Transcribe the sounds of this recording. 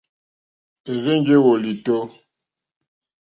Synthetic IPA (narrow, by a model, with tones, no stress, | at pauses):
e˨ɣe˦ŋd͡ʒe˦wo˨li˨to˦